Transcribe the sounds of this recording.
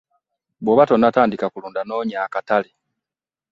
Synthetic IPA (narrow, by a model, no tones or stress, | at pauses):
boβatonataːndikakuluːndano̞ːɲaːkatale